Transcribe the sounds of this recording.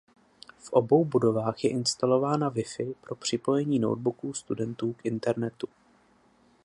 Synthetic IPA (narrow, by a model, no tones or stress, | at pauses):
fʔo̞bo̞wbudo̞vaːxjɛʔɪnst̪alo̞vaːnavɪfɪpɾo̞pr̝̥ɪpo̞jɛɲiːno̰wd̪̚bukuːst̪udɛnt̪uːkʔɪnt̪ɛɾnɛt̪u̥